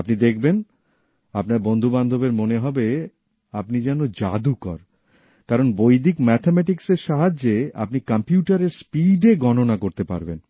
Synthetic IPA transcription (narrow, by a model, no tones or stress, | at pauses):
apnid̪ek̚ʰben | apnaɾbond̪ʱuband̪ʱobeɾmoneɦɔbe | apnid͡ʑɛnod͡ʑa̰d̪ukɔ̰ɾ | kaɾonbojd̪ʱikmɛt̪ʰemɛʈikseɾʃaɦad͡ʑea̰pnikampjuʈaɾeɾspiɖeɡɔnonakoɾt̪epa̰ɾbḛn